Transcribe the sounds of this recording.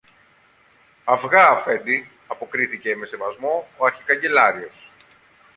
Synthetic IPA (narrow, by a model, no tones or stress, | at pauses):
ɐvɣɐːfe̞nd̪i | ɐpo̞kɾiθice̞me̞se̞vɐzmo̞oɐɾçikɐɲɟe̞lɐɾio̞s